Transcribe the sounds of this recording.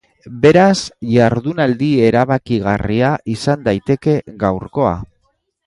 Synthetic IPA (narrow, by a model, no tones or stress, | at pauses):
be̞ɾasʝaɾðunald̪ie̞ɾaβakiɣariaʔisand̪ajt̪e̞ke̞ɣawɾko̞a̰